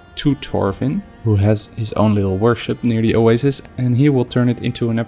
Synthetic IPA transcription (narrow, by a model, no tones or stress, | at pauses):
tʰutʰɔ̰ɹfɨ̃n | huɨz̥hɪzõ̰ʊ̃nlɪɾl̩ˠwɜ˞ʃɨp̚nɪɹðiʔoeɪzɨsɨ̃niwɪlˠtʰɜ̃˞nɨɾɪ̰̃ntʰuə̃nɛ